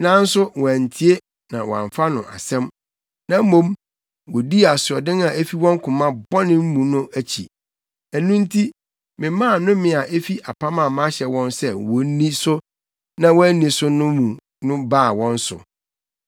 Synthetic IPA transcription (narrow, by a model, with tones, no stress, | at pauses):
nã˦n̩˦sʊ˦wɔ̃˨æ˨n˨tʰi˨e˦ | nã˨wɔ̰˨a̰˨fa˦nʊ̃˨ʔa̰˨sɛ̃˦m | nã˦m̩˦mõ˦m | wɔ˨di˦˨a˨sʊ˨ɔ˨dɪ̃˦na˨e˦fi˦wɔ̃˦ŋ˦kʰʊ̃˨mã˦bɔ˦nɪ̃˦m̩˦mũ˨nʊ̃˦ʔæ˦t͡ɕʰḭ˨ | æ˨nũ˦n˦tʰi˦ | mɪ̃˨mã˦˨nʊ̃˦mɪ̃˨a˨ʔe˦fi˦ʔa˨pʰa˦mã˨mã˦ɕɛ˨wɔ̃˦nsɛ˦wɔ˨˦nĩ˦sʊ˦ | nã˦wɔ˦æ˦nĩ˨sʊ˦nʊ̃˦mũ˨ | nʊ̃˦baː˦˨wɔ̃˦n˦sʊ̰˨